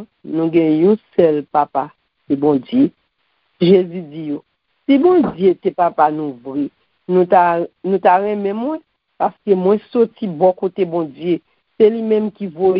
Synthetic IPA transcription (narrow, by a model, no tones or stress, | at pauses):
nũɡɛ̃jũsɛlpapa | sebɔ̃d͡zje | ʒezyd͡zijo | sibɔ̃d͡zjet̪epapanũvɣi | nũt̪anũt̪aɣɛ̃mɛ̃mwɛ̃ | paskemw̃ɛ̃sɔtibɔkot̪ebɔ̃d͡zje | selimɛ̃mkivo